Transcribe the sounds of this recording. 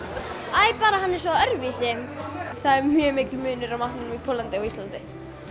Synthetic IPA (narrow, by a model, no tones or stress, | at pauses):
ajpaːɾahanːɪɾ̥sɔœɾvisɪmθaðɛɾmjœːmɪːcɪmʏːnʏɾawmaht̪nɪnmipʰɔːlːant̪ɪɔɣist̪lant̪ɪ